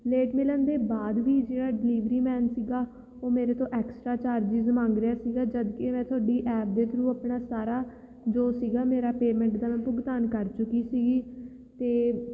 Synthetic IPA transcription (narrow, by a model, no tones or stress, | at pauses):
leːʈmɪlənd̪eːbaːd̪ʋiːd͡ʒeːɽaːɖɪliːʋɾiːmɛːnsiːɡaː | oːmeːɾeːt̪õːʔɛːksʈɾaːt͡ʃaːɾd͡ʒizəmãːŋɡɾɪjaːsiːɡaːd͡ʒəd̪kemɛ̃ːt̪ʰʊaːɖiːʔɛːp̚d̪eːt̪ʰəɾũːaːpɳaːsaːɾaː | d͡ʒoːsiːɡaːmeːɾaːpeːmɛ̃ːɳʈd̪aːmɛ̃ːpʊɡt̪aːnkəɾt͡ʃʊkːiːsiːɡiː | t̪eː